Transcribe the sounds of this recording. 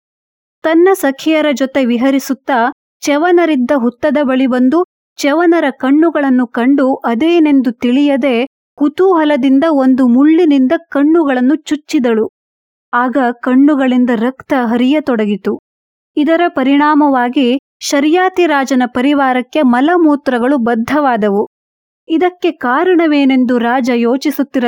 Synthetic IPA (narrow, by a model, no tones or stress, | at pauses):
t̪ɐnːɐsɐkʰijɐɾɐd͡ʒɔt̪e̞ʋiɦɐɾisut̪ːɐ | t͡ʃɛʋɐnɐɾid̪ːɐɦut̪ːɐd̪ɐbɐɭibɐnd̪u | t͡ʃɛʋɐnɐɾɐkɐɳːuɡɐɭɐnːukɐɳɖuʔɐd̪eːne̞nd̪ut̪iɭijɐd̪e̞ | kut̪uɦɐlɐd̪ind̪ɐond̪umuɭːinind̪ɐkɐɳːuɡɐɭɐnːut͡ʃut͡ʃːid̪ɐɭu | aːɡɐkɐɳːuɡɐɭind̪ɐɾɐkt̪ɐɦɐɾijɐt̪ɔɽɐɡit̪u | id̪ɐɾɐpɐɾiɳaːmɐʋaːɡi | ʃɐɾjaːt̪iɾaːd͡ʒɐnɐpɐɾiʋaːɾɐkːe̞mɐlɐmuːt̪ɾɐɡɐɭubɐd̪ʱːɐʋaːd̪ɐʋu | id̪ɐkːe̞kaːɾɐɳɐʋeːne̞nd̪uɾaːd͡ʒɐjoːt͡ʃisut̪ːiɾɐ